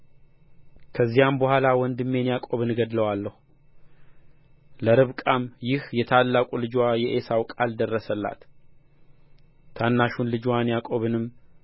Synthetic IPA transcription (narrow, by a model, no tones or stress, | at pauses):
kʰəzːijambəhʷalawɔnd̪ɨmːe̞njakʼo̞βɨnɡəd̪ləwalːəhu | ləɾɨβkʼamjɪhjɛt̪ʰalːakʼulɨd͡ʒwajɛʔesawkʼald̪ərːəsəlːa̰t̪ | t̪ʰanːaʃunlɨd͡ʒwanjakʼo̞βɨnɨm